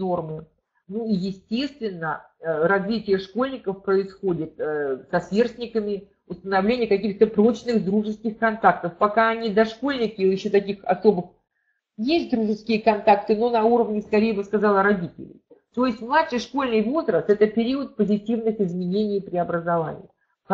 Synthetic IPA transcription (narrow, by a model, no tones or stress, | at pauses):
no̞rmɨ | nuijɪsʲtʲe̞st̪vʲɪnːə | ɾɐzvʲitʲɪjəʂko̞lʲnʲɪkəfpɾəɪsxo̞dʲɪt̪sɐsvʲe̞rst̪ʲnʲɪkəmʲɪ | ʊst̪ənɐvlʲenʲɪjəkɐkʲixt̪əpɾo̞t͡ɕnɨxd̪ɾuʐɨskʲɪxkɐnt̪akt̪əfpɐkaɐnʲid̪ɐʂko̞lʲnʲɪkʲɪɪɕːot̪ɐkʲixɐ̰so̞bɨx | jesʲt̚ʲd̪ɾuʐɨskʲɪjəkɐnt̪akt̪ɨno̞nɐuɾəvnʲɪskɐɾʲejəbɨskɐzalˠɾɐdʲitʲɪ̰lʲɪ̰jt̪o̞jɪsʲtʲmlˠatʂɨjʂko̞lʲnɨjvo̞zɾəst̪ɛt̪əpʲɪɾʲiət̪̚pəzʲɪtʲivnɨxɪzmʲɪnʲenʲɪjpɾʲɪɐbɾəzɐva̰nʲɪ̰ɪ | k